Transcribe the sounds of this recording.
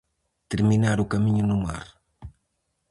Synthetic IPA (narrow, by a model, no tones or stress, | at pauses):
t̪eɾminaɾʊkɐmiɲʊnʊma̰ɾ